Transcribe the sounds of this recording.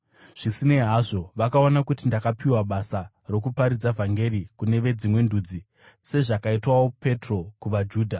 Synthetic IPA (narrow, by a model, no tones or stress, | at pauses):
ʐ̥isine̞ɦaʐo̞ʋakao̞nakutindakapʰiwaɓasa | ro̞kupaɾid͡zavʱaŋɡe̞ɾikune̞ʋe̞d͡zimwe̞nduːd͡zi | se̞ʐakaitwawo̞pe̞tro̞kuʋad͡ʒuːdʱa